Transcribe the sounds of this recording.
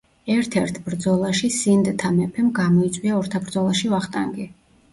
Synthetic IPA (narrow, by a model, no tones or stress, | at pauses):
ɛɾt̪ʰɛɾt̪ʰbɾd̪zɔlˠaʃisind̪t̪ʰamɛpʰɛmɡamɔit̪sʼwiaɔɾt̪ʰabɾd̪zɔlˠaʃivaχt̪ʼa̰ŋɡi